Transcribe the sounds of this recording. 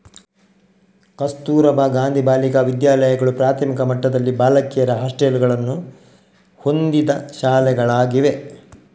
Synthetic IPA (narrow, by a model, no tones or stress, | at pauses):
kɐst̪uːɾɐbaːɡaːnd̪ʱibaːlikaʋid̪jaːlɐjɐɡɐɭupɾaːt̪ʰɐmikɐmɐʈːɐd̪ɐlːibaːlɐkijɐɾɐɦaːʂʈeluɡɐɭɐnːu | ho̞nd̪id̪ɐʃaːlɛɡɐɭaːɡiʋe